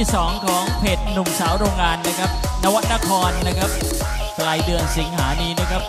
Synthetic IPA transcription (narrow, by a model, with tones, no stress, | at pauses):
iː˥˩sɔː˩˦ŋkʰɔː˩˦ŋpʰe˨˩t̪̚nu˨˩msaː˩˦wɾoː˧ŋːaː˧nːa˦˥kʰa˦˥p̚na˦˥wa˦˥t̪̚na˦˥kʰɔː˧nːa˦˥kʰa˦˥p̚ | klaː˧jdɯ˧ənsi˩˦ŋɦaː˩˦niː˧˩na˦˥kʰa˦˥p̚